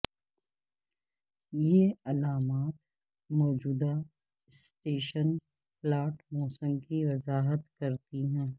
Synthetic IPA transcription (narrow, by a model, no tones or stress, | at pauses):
jeːɐlaːmaːt̪ | mɔːd͡ʒuːd̪a | ɪsʈeːʃən | plaːʈmɔːsə̃mkiʋɐzaːɦət̪kɐɾt̪iɦɛ̃ː